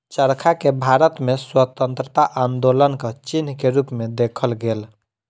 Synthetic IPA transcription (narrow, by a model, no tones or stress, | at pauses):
t͡ʃəɾkʰakebʱaɾət̪meswət̪ə̃nt̪ɾət̪aʔand̪olənkət͡ʃinkeɾupmed̪ekʰəlɡel